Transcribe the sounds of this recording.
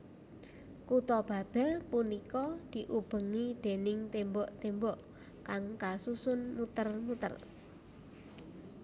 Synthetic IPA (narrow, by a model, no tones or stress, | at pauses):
kut̪ɔb̥a̤b̥ɛ̤lpunikɔd̪̥i̤ʔub̥ə̤ŋid̪̥e̤nɪŋt̪embɔʔt̪embɔʔ | kaŋkasusʊnmut̪ərmut̪ə̰r